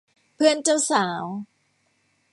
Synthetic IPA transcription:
pʰɯ˥˩ənt͡ɕa˥˩wsaː˩˦w

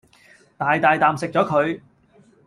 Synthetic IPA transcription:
t̪aː˨˩jt̪aː˨jt̪aː˨msɪ˨k̚t͡ʃɔː˨˥kʰɵ˨˧ɥ

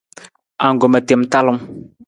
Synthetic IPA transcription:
a˨ŋ˨ɡo˨ma˨te˨m˦ta˦lʊ˦m

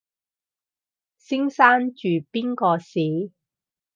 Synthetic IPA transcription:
sɪ˥ŋsaː˥nt͡ʃyː˨˩piː˥nkɔː˧siː˨˥

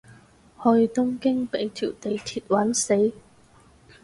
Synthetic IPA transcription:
hɵ˧ɥt̪ʊ˥ŋkɪ˥ŋpe˨˥jt̪ʰiː˨˩wt̪e˨jt̪ʰiː˧t̚wɐ˨˥nse˨˥j

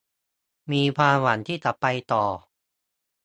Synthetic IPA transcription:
miː˧pʰaː˧wa˩˦nt̪ʰiː˥˩t͡ɕ̪a˨˩pːa˧jt̪ɔː˨˩

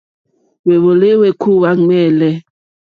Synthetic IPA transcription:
we˨βo˨le˦we˦kʰu˦˨wa˦ŋmɛ˦˨lɛ˦

